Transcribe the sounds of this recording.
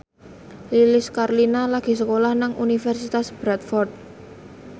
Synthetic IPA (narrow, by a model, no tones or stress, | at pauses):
lilɪskaɾlinalaɡ̥i̤səkolahnaŋunifɛrsit̪asb̥ɾat̪̚fɔrt̪̚